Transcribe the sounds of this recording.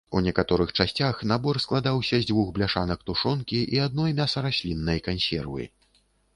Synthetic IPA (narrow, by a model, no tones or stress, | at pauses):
unʲɛkat̪ɔɾɨxt͡ʂasʲt͡sʲaxnabɔrsklˠad̪awsʲɐzʲd͡zʲvuxblʲaʂanɐkt̪uʂɔnkʲiʔiad̪̚nɔjmʲasɐɾasʲlʲinːɐjkansʲɛ̰rvɨ̰